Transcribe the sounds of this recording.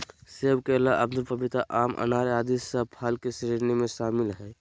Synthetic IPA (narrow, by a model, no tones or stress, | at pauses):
seːbkelaʔɐbd̪ʊlpɐbɪt̪aʔaːmʔɐ̰naːɾaːd̪isəpʰaːlkesiɾiɾnemẽʃaːmɪlɦɛː